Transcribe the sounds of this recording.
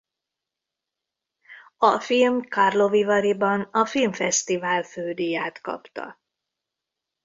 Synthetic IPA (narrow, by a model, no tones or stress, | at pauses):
ɒfilmkɒrlo̞vivɒɾibɒnɒfilmfɛst̪ivaːlføːd̪ijaːt̪kɒ̰pt̪ɒ̰